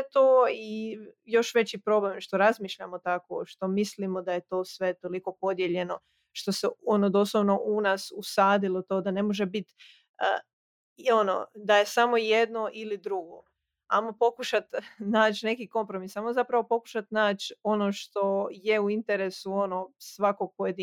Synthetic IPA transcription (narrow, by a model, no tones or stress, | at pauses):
et̪oːijo̞ʃʋe̞t͡ɕipɾo̞blemʃt̪o̞ɾazmiːʃʎamo̞t̪ako̰ʃt̪o̞mislimo̞d̪aje̞t̪o̞ːsʋe̞t̪oliko̞po̞d̪je̞ʎe̞no̞ | ʃt̪o̞seo̞nod̪oslˠoʋno̞ʔunaːsusaːd̪ilo̞t̪oːd̪ane̞mo̞ʒe̞bit̪ | ə | io̞no̰d̪aje̞samo̞je̞d̪noʔilid̪ɾuɡo̰ | a̰mopo̞kuʃat̪naːt͡ɕne̞kiko̞mpɾo̞misajmozapɾaʋo̞po̞ku̥ʃat̪naːt͡ɕono̞ʃt̪o̞je̞uint̪e̞ɾesuonosʋako̞ɡ̚po̞je̞d̪i